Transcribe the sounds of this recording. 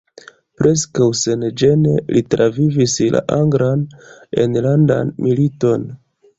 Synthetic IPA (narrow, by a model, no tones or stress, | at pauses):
pɾʔe̞skawse̞nd͡ʒe̞ne̞litɾavivisla̰ʔaŋɡɾanḛnlanda̰nmilito̞n